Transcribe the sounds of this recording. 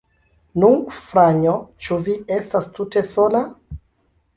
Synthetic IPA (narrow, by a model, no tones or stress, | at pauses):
nufɾaɲot͡ʃuvie̞stastute̞so̞la